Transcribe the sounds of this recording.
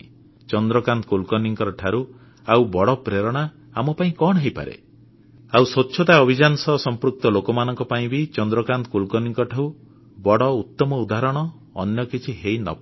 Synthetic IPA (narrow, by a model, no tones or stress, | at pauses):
t͡ʃɔnd̪ɾɔkant̪ɔkulkɔniŋkɔɾɔʈʰaɾu | awbɔɽɔpɾeɾɔɽ̃a | amɔpaĩkɔɽɦejpa̰ɾḛ | awsotːʃʰɔt̪aɔbʱid͡ʒanɔsɔɦsɔmpɾuk̚t̪ɔlokɔmanɔŋkɔpaĩbit͡ʃɔnd̪ɾɔkant̪kulkɔniŋkɔʈʰau | bɔɽɔut̪ːɔmɔud̪aɾɔɽ̃ɔ̰ː | njɔkit͡ʃʰiɦeinɔ̰